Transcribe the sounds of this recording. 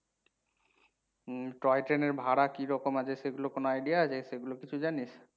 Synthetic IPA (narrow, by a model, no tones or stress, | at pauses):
ʈɔjʈeneɾbʱaɽakiɾɔkomat͡ɕʰeʃeɡulokonoajɖijaat͡ɕʰeʃeɡulokit͡ɕʰud͡ʑanis